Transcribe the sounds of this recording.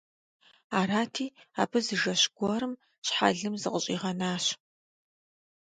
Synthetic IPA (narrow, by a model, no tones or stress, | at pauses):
aːɾaːtʰiːa̰ːbʰɨzɨʒɐɕɡʷɔɾɨm | ɕħa̰ɮɨmzɨqəɕʼḭːʁɐnaːɕ